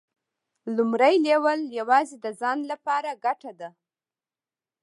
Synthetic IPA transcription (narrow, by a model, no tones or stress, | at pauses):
lʊmɾajlewəljawɑzed̪əzɑnlapɑɾaɡaʈad̪a